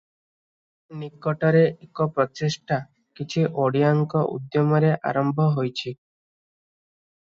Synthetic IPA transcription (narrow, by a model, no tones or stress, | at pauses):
nikːɔʈɔɾeʔekɔpɾɔt͡ʃeʃʈa | kit͡ʃʰiʔoɽiaŋkɔʔṵd̪jɔmɔɾeʔa̰ɾɔmbʱɔɦojt͡ʃʰi